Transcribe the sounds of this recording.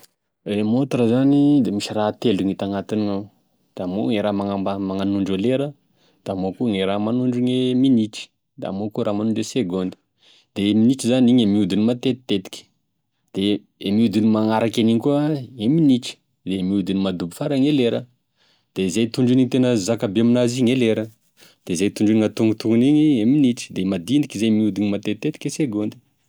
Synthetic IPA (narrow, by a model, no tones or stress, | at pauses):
emot̪ɾəzanid̪emiʃirat̪eluŋit̪aŋat̪iniŋaw | d̪̥amo̰ŋeɾamaŋaamaŋanuɳɖ͡ʐoleɾə | d̪̥amokuŋeɾamanuɳɖ͡ʐiŋeminiʈ͡ʂi̥ | d̪a̰mokuɾamanuɳɖ͡ʐeseɡond̪i̥ | d̪̥eminiʈ͡ʂizaniɲemiud̪inimat̪et̪i̥t̪ːet̪i̥kʲə̥ | d̪̥e | miud̪inimaŋaɾakʲaniŋkuəeminiʈ͡ʂi̥ | zemiud̪inimad̪ubifaɾaŋeleɾə | d̪̥ezejt̪uɳɖ͡ʐiniŋit̪enəzakabeaminaziŋeleɾə | d̪̥eizejt̪uɳɖ͡ʐiniŋat̪uŋɡut̪uŋuniɲieminiʈ͡ʂi̥d̪emad̪ind̪ikizemiud̪inimat̪et̪̚t̪ːet̪i̥kʲeseɡond̪i̥